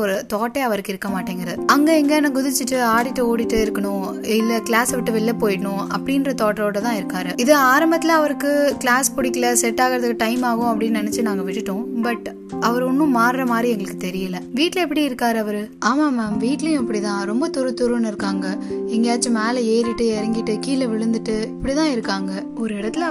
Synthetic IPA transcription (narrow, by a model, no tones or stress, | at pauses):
ɔɾɯt̪oːʈːeːɐʋɐɾɯkːɪɾɯkːɐmaːʈːiːŋɡɐɾɐðɯɐŋɡɐɛŋɡeːnːɐkʊðɪt͡ʃːɯʈːɯaːɽɪʈːɯoːɽiʈːɯɪɾɯkːɐɳʊ̃ | ɪlːɐkɭaːsʋɪʈːɯʋɛɭːɐpːoːjɐɳʊ̃ɐ̰pːɐɽɪnrɐt̪oːʈːɐɾoːʈːɐt̪ãːɪɾɯkːaːɾɯɪðɯaːɾɐmbɐt̪ːɪlɐɐʋɐɾɯkːɯkɭaːspʊɽɪkːɐlɐsɛʈːaːɣɪɾɐðɯkːɯʈɐɪmaːɣʊ̃ɐpːɐɽɪnnɐnɛt͡ʃːɯnaːŋɡɐʋɪʈːɯʈːʊ̃bɐʈ | ɐʋɐɾɔnːʊ̃maːɾɾɐmaːd̪ɾiɛŋɡɐɭɯkːɯt̪ɛɾɪjɐlɐʋiːʈːɪlɐɛpːɐɽiɪɾɯkːaːɾɐʋɐɾɯʔaːmaːmaːmʋiːʈːɪlɐjʊ̃ɪpːɐɽit̪ãːɾɔmbɐt̪ʊɾɯt̪ːʊɾɯnːɪɾɯkːaːŋɡɐɛŋɡeaːt͡ʃːɯmeːlɐeːɾɪʈːɯɛɾɐŋɡɪʈːɯkiːlɐʋɪɻɯnd̪ɯʈːɯɪpːɐɽit̪ãːɪɾɯkːaːŋɡɐ | ɔɾɯɪɽɐt̪ːɪl